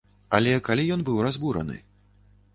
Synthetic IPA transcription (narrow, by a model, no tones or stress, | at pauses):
a̰lʲɛkalʲijɔnbɨwrazbuɾɐ̰nɨ̰